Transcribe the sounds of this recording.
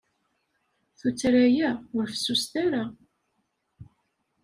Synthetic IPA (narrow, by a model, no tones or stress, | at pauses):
θut͡sːɾæjæʊɾfə̥sːust̪aɾa